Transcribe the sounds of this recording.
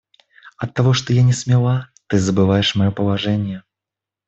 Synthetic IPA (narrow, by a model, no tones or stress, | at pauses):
ɐt̪ːaɣɔʂt̪ɔjanʲɛsʲmʲalˠat̪ɨzɐbɨvajɛʂmajɔpɐlˠaʐɛnʲjɛ